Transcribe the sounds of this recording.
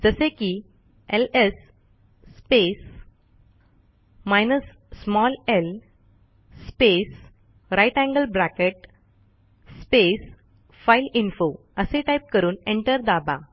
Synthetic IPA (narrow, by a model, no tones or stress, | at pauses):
d͡zəseki | elesː | pes | majnəsː | mɔlel | spes | ɾajʈæ̃ŋɡəlbɾakeʈ̚ | spes | failinfo | əseʈajp̚kəɾuːnẽɳʈəɾd̪aba